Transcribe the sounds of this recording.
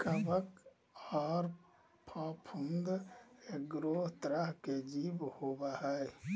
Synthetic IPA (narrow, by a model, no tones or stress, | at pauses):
kəbək | ɔːɾ | pʰapʰũnd̪eɡɾoːɦt̪ɾəɦked͡ʒiːbhobaɦɛe